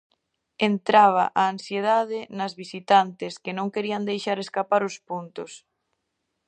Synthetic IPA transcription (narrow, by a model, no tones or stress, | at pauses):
ent̪ɾaβ̞aʔaːnsjeð̞að̞ɪnɐzβisit̪ant̪ɪskenõŋkeɾiand̪ejʃaɾeskapaɾʊspunt̪ʊs